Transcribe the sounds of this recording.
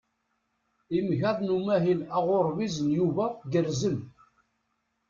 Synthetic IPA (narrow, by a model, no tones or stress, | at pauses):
imʝæðˤnumæɦilæʁʊɾˤvizənjuvæɡəɾzən